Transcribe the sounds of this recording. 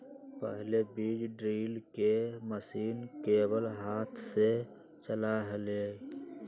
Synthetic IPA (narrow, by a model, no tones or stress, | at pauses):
pəɦlebiːd͡ʒɖɾiːlkeməsiːnkeːbəlɦaːt̪ʰse | t͡ʃəlaɦəleː